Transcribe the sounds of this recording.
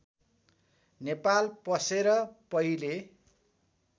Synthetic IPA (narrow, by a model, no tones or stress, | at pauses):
nepalpʌseɾʌpʌɦile